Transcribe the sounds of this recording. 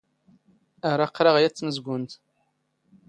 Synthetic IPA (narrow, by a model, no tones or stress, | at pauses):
aɾˤaqːɾɑʁjæt͡sːməzɡʷʊnt̪